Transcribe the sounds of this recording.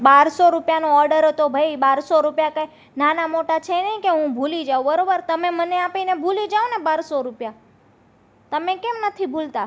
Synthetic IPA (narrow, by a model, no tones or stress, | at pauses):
baɾsoɾupjanõɔɾɖəɾɦət̪obʱəibaɾsoɾupjakaj | nanamoʈat͡ʃʰenəikeɦũbʱulid͡ʒaobəɾobəɾt̪əmeməneapinebʱulid͡ʒaonebaɾsoɾupja | t̪əmekemnət̪ʰibʱult̪a